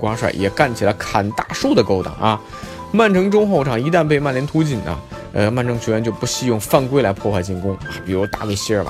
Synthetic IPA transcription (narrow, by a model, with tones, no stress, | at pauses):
kwɑ˧˥ʂwa̰˨˩ɪjɛ˨˩ka˥˩nt͡ɕʰi˨˩lə˦kʰa˨˩nt̪a̰˥˧ʂu˥˩d̪ə˩ko˥ʊt̪ɑ̰˨˩ŋʔɐ˧ | ma˥˩nʈ͡ʂʰɤ˧˥ŋʈ͡ʂʊ˥ŋxo˥˩ʊʈ͡ʂʰɑ˨˩ŋi˧˥t̪a˥˧np̬e˥˧ɪma˥˩nljɛ˧˥nt̪ʰu˧˥t͡ɕi˨˩nɐ̰˦ | ə˧ma˥˩˧nʈ͡ʂʰɤ˥ŋt͡ɕʰɥɛ˧˥ɥɛ˧˥nt͡ɕjo˥˧ʊpu˧˥ɕi˥˧jʊ˥˧ŋfa˥˧nkwe˥ɪla˧˥ɪpʰwɔ˥˧xwa˥˧ɪt͡ɕi˥˩nkʊ˥ŋa˥˩pi˨˩ɻu˧˥˧t̪a̰˥˧we˥˩ɪɕi˥ə˞˨˧˩bɐ̰˩